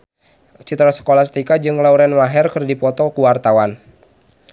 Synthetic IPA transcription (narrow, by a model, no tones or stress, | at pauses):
t͡ʃit̪ɾasə̥kolasə̥t̪ikad͡ʒɨŋlauɾɛnwaɦɛrkɨrdipɔt̪ɔkuwart̪awan